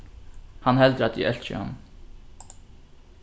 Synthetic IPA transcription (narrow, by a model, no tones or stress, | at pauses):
hanhɛld̪ɾat̪ḭʔɛlt͡ʃə̰a̰n